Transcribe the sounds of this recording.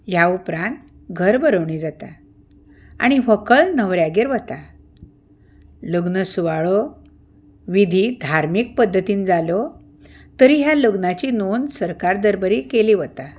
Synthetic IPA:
jaupɾãnt̪ | ɡʱəɾbəɾəʋɳ̃id͡zat̪a̰ | a̰ɽ̃iʋəkəɭnəʋɾjaɡeɾʋət̪a | ləɡnəsuʋaɭɔ | ʋid̪ʱid̪ʱaɾmik̚pəd̪ʱːət̪iːnd͡zalɔ | t̪əɾiːɦjaləɡnat͡ɕinonsəɾkaɾd̪əɾbəɾikeliʋət̪a

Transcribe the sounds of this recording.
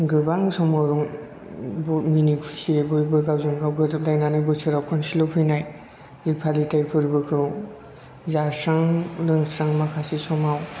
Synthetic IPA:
ɡɯbaŋsɔmawɾuŋ | bɔminikʰusiebɯjbɯɡawzɯŋɡawɡɯlajnanɯbɯsʰɯɾawkʰɔnsilɔpʰɯjnaj | ɾipʰalitajpʰɯɾbɯkʰɯw | zasaŋlɯŋsaŋmakʰasisɔmaw

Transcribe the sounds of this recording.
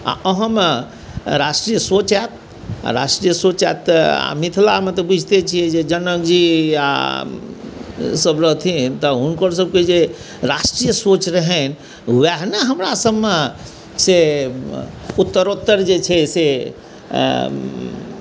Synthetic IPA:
a̰əɦəm | ɾasʈɾijəsot͡ʃɛt̪̚ | a̰ɾa̰sʈɾijəsot͡ʃɛt̪ːa̰mit̪ʰlamet̪ɔbud͡ʒʱt̪et͡ʃʰijɛd͡ʒed͡ʒənəkd͡ʒia̰ | səbɾəɦt̪ʰit̪ɔɦunkəɾs̬əb̚ked͡ʒe | ɾasʈɾijəsot͡ʃɾəɦɛn | uɛɦnəɦəmɾasəbme | se | ut̪ːəɾot̪ːəɾd͡ʒet͡ʃʰɛse

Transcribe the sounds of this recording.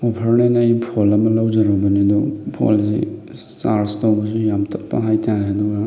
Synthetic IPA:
opʰɐɾnenajpʰolɐmɐlawd͡ʒɐɾobɐnidɔpʰo̰lsḭ | t͡ʃaɾstawbɐsujamtʰɐp̚pːɐ̰ɦajtʰaɾeɐduɡɐ

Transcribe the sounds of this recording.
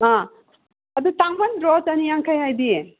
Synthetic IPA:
a | ɐd̪utaŋmanɾozɐnijaŋkʰajɦajdi

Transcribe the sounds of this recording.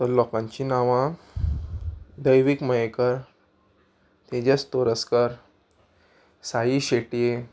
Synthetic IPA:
t̪əɾlɔkãɲt͡ɕiːnaʋã | d̪əjʋikməjekəɾ | t̪ed͡ʑast̪oɾəskəɾ | sajiːɕeʈije

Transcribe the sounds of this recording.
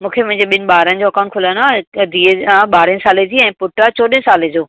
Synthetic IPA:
mũːkʰemʊ̃ɦɪ̃ɲd͡ʑeɓɪnɪ̆ɓaːɾənɪ̃̆d͡ʑoːɐkaːnkʰʊlənad̪ʱiːaɓaːɾənɪ̃saːled͡ʑiːɛ̃ːpʊʈat͡ɕoːɗə̃nsaːled͡ʑoː

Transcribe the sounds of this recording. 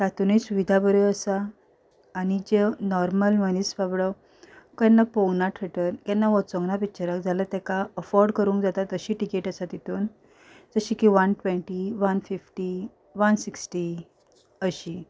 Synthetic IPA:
sat̪unisuʋid̪ʱabəɾeəsaː | ñid͡ʑenɔɾməlmənisbabɭə | kɛnːapɔwnaʈʰɾəʈəɾkɛnːaʋɔt͡sɔ̃ŋɡnapit͡ɕaɾəkd͡zʱalət̪ɛkaəfɔɾɖkəɾũŋkd͡zat̪at̪əɕiːʈikeʈəsat̪it̪uːn | d͡zəɕikiʋənʈʋẽɳʈiʋanfifʈi | ʋansiksʈi | əɕi

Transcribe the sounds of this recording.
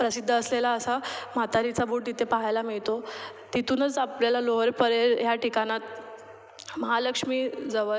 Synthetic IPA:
pɾəsid̪ʱːəəslelaəsamat̪aɾit͡sabuːʈ̚t̪it̪ʰepaɦajlamiɭt̪o | t̪it̪uːnət͡sapljalaloɦəɾpəɾeɾjaʈikanat̪̚ | məɦaləkʂmiːd͡zəʋə

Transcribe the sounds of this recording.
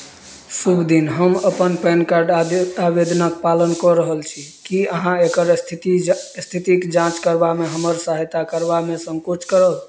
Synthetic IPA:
subʱd̪inɦəməpənpɛnkaɾɖ̪abed̪ʱnəkpalənkɔɾəɦəlt͡ʃʰikiəɦãekəɾt̪ist̪ʰit̪ikd͡ʒãt͡ʃkəɾbameɦəməɾsəɦət̪akəɾbamesə̃ŋkut͡ʃʰkəɾəl

